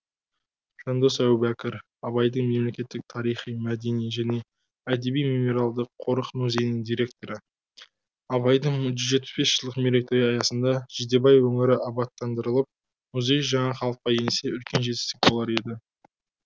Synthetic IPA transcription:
ʃɑnd̪osæwbækʲɪɾ | ɑβɑjd̪əɴme̞mle̞kʲe̞t̪ːɪk̚t̪ʰɑɾijχijmæd̪e̞nijʒæne̞ | æd̪e̞bijmimo̞ɾalˠd̪əqʰːo̞ɾəqmuzʲe̞jnɪŋd̪ijɾʲe̞k̚t̪o̞ɾə | ɑbɑjd̪əɴʒʏzʒe̞t̪̚pɪ̥sbe̞sʒ̥əlˠd̪əqmeɾek̚t̪oɾjɑjɑsənd̪ɑʒɪd̪e̞bɑjwɵŋɪɾɪʔɑbɑt̪ːɑnd̪əɾəlˠəp̚ | mʊzʲe̞jʒɑɴɑχɑlˠəq̚qːɑje̞nse̞ʏlkʲe̞nʒe̞t̪ɪ̥st̪ɪk̚bolˠɑɾe̞d̪ɪ

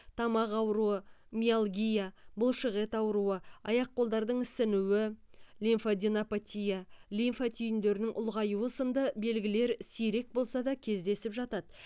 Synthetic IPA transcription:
t̪ʰɑmɑqɑwɾuəmʲialˠɡʲijabʊlˠʃəʁe̞t̪ɑwɾuəɑjɑq̚qːolˠd̪ɑɾd̪əɴɪsɪnuwɪlʲinfod̪ʲinapat̪ʲijalʲinfat̪ʰʏjɪnd̪e̞ɾɪnɪŋʔʊlˠʁɑjuwəsənd̪əbe̞lɡʲɪle̞ɾsijɾe̞k̚bo̞lˠsɑd̪ɑkʲʰe̞zd̪e̞sɪpʒɑt̪ɑt̪

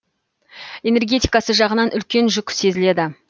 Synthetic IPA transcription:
e̞ne̞rɡʲet̪ijkɑsəʒɑʁənɑnʔʏlkʲe̞nʒʏkʲɪ̥se̞zɪle̞d̪ɪ

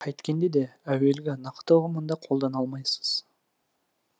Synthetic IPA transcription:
qʰɑjt̪kʲe̞nd̪ed̪e̞æwe̞lɡʲɪnɑqt̪əʊɾəmənd̪ɑqʰo̞lˠd̪ɑnɑlˠmɑjsə̥z̥

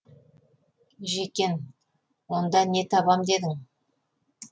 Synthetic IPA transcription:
ʒekʲe̞n | wo̞nd̪ɑne̞t̪ʰɑbɑmd̪e̞d̪ɪŋ

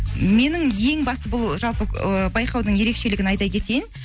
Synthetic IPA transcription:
me̞nɪŋje̞ŋbɑst̪əbʊlˠʒɑlˠpəbɑjqɑwd̪əɴje̞ɾe̞kʃe̞lɪɡʲɪnɑjd̪ɑjkʲʰe̞t̪e̞jɪn

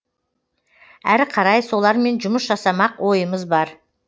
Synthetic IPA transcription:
æɾqʰɑɾɑjso̞lˠɑɾme̞nʒʊməsʒɑsɑmɑqwo̞jəməzbɑɾ

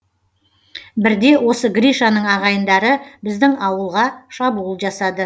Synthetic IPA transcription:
bɪɾd̪e̞wo̞səɡɾijʃanəɴɑʁɑjənd̪ɑɾəbɪzd̪ɪŋɑwəlˠʁɑʃɑbulˠʒɑsɑd̪ə

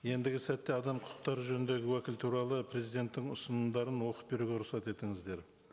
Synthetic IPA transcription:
je̞nd̪ɪɡʲɪsæt̪ːe̞ɑd̪ɑmqʰʊʊ̥q̚t̪ɑɾəʒɵnɪnd̪e̞ɡʲɪwækʲɪlt̪ʰuɾɑlˠəpʰɾe̞zijd̪e̞nt̪ːɪŋʊ̰sənənd̪ɑɾənwo̞qə̥p̚be̞ɾuɡʲe̞ɾʊχsɑt̪e̞t̪ɪŋɪzd̪e̞ɾ

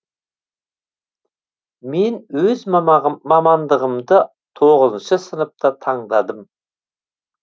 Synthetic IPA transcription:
me̞nwɵzmɑmɑnd̪əʁəmd̪ə | t̪ʰoʁəzənʃəsənəp̚t̪ət̪ʰɑɴd̪ɑd̪əm

